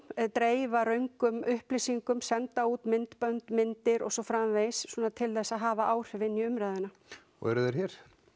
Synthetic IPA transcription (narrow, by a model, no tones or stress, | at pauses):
ɛt̪ɾeːjvaɾœɥŋkʏmʏhplisiŋkʏmsɛnt̪aut̪mɪnt̪pœnt̪mɪnt̪ɪɾɔ̰ɣsɔfɾamvejssuːnat̪ʰɪlθɛsːaðɦaːvaʔaːwr̥ɪvɪnːiʏmɾajðʏna | ɔ̰ɛɾʏðɛɾ̥çɛɾ̥